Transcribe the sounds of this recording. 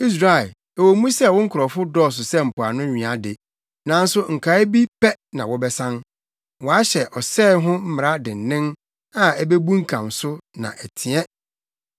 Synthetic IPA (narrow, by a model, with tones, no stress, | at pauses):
i˦s̬ɾa˨ | ɛ˨wo˨mũ˦sɛ˦˨wʊ̃˦ŋ̩˦kʰʊ˨ɾɔ˨fʊ˦dɔː˦˨s̬ʊ˨sɛ˦m̩˨pʊ˨a˨nʊ̃˦ɲᶣĩ˨a˨de˨ | nã˨n̩˦sʊ˦ŋ̩˨kʰa˨˦e˦bi˦pʰɛ˦nã˨wɔ˦bɛ˦sã˦n | wɔ˨a˦ɕɛ˨ʔɔ˨sɛː˦ɦʊ̃˦m̩˦mɪ˨ɾa˦dɪ˨n̩˨nɪ̃˦n | a˨æ˦be˦bũ˦ŋ̩˦kʰã˨msʊ˦nã̰˨ʔæ˨tʰi˨ɛ˦